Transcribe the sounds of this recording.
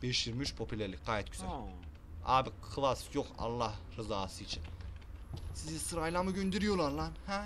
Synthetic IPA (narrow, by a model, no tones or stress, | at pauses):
b̥eʃjiɾmyt͡ʃpʰopulʲeɾlɪk̚ʲqɑjet̪kʰy̥ze | abɪkʰlˠasjoqɑ̰lˠːɑɾɨzɑːsit͡ʃʰɪ | sizd̪isɨɾɑjlˠɑmɯɡʲønd̪eɾijolˠɑlˠːɑnh